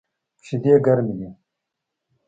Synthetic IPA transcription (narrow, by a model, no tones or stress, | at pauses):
pɕid̪eɡɐɾmile